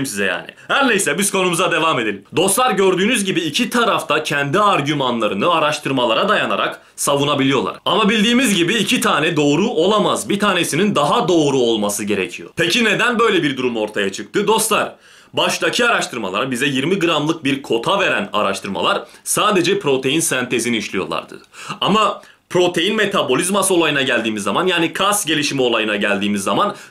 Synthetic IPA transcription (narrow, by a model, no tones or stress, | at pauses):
msizɛja̰ːnɪ̰hæɾnejsɛbizkʰo̞numuzad̪e̞vaːme̞d̪e̞lʲimd̪o̞st̪lˠaɾɟø̞ɾd̪yːnyzɟibiːcʰit̪ʰaɾaft̪ʰacʰɛnd̪iaɾɟymanlˠaɾɯnɯaɾaʃt̪ʰɯɾmalˠaɾad̪ajana̰ɾa̰k | savunabilʲijo̞lˠa̰ɾamabilʲd̪iːmizɟibiːcʰit̪ʰaːnɛd̪o̞ːɾuʔo̞lˠamazbit̪ʰaːne̞sinind̪aɦad̪o̞ːɾuo̞lˠmasɯɟe̞ɾḛcʰijo̞̰pʰecʰine̞d̪ænbø̞jlʲebiɾd̪uɾumo̞ɾt̪ʰajat͡ʃʰɯk̚t̪ʰɯd̪o̞st̪lˠaɾ | baʃlˠacʰiaɾaʃt̪ʰɯɾma̰lˠa̰ɾabizɛjiɾmiɡɯɾamlˠɯk̚biɾkʰo̞t̪ʰave̞ɾæna̰ɾa̰ʃt̪ʰɯɾma̰lˠaɾsaːd̪e̞d͡ʒɛpʰɾo̞t̪ʰe̞jinsænt̪ʰe̞ziniiʃlʲijo̞̰lˠa̰ɾd̪ɯ̰ | ama | pɾo̞t̪ʰe̞jinme̞t̪ʰabo̞lʲizmasɯo̞lˠajɯnaɟælʲd̪iːmizːamanjaːnikʰasɟe̞lʲiʃimio̞lˠajɯnaɟælʲd̪iːmizːaman